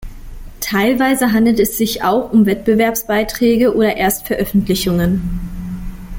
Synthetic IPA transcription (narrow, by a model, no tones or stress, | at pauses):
tʰaɪlvaɪzəɦandl̩tɛsz̥ɪçaʊxʊmvɛt̚b̥əvɛɐpsb̥aɪtʁ̥ɛːɡəʔoːɾɐʔeːɐstfɛɐʔœfn̩tlɪçʊŋən